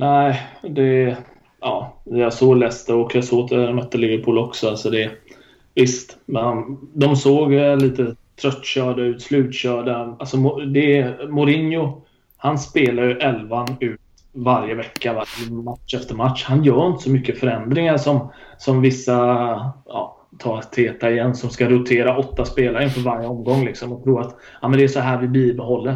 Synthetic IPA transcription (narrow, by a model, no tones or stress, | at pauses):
næɪd̪ɛ | ɑːjasoːlɛːst̪əɔkjasoːɡt̪ʰmœt̪ːəlɪvəɾpʰuːlɔksɔalsɔd̪ɛ | vɪst̪mɛnd̪ɔmsoːɡliːt̪ət̪ʰɾœt̪ːɕœːɖaʉ̟ːt̪slʉ̟ːt̪ɕœːɖaalsɔmʊd̪ɛmʊɾɪnjʊ | hanspeːlajɵʔɛlvanʉ̟ːt̪ | vaɾjəvɛkːaamat̪ʂɛft̪əɾmat̪ʂhanjœːɾɪnt̪ə̥sɔmʏkːəfœɾɛnd̪ɾɪŋaʂɔmsɔmvɪsːa | ɑ̰ː | t̪ʰɑːɾt̪ʰeːt̪aɪjɛnːsɔmskaɾʊt̪ʰeːɾaɔt̪ːaspeːlaɾəɪnfœːɾvaɾjəɔmɡɔŋːlɪksɔmɔt̪ʰɾuːɾat̪ | ɑːmɛnd̪ɛæʂɔɦæːɾvɪbiːbɛɦɔlːəɾ